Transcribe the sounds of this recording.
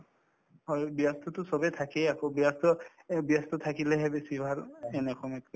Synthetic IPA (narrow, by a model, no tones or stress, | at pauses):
hɔjbijastʰɔtʊsɔbɛt̪ʰakɛjakobiastɔ | bijast̪ɔt̪ʰakilɛɦɛbesibʱaɹɛnɛkʰɔmɛt